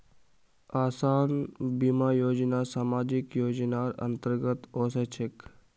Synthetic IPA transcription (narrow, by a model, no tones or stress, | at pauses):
aːsaːnbimaːjoːd͡ʒnaːsaːmaːd͡ʒikjoːd͡ʒnaːɾɐ̰nt̪əɾɡət̪oːset͡ʃʰek